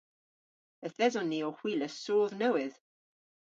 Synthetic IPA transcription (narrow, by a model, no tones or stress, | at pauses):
əθðɛzɔniɔhw̥iːləsoːðnəwɪð